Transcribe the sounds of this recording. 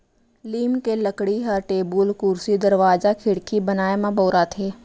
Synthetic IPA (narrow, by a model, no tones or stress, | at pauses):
liːmkeləkɽiɦɐɾʈeːbulkʊɾsid̪əɾʋaːzakʰɪɽkʰibənaːemãboːɾat̪ʰeː